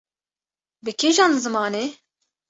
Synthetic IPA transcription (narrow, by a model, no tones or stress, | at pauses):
bɨkʲʰeʒɑːnzɨmɑːne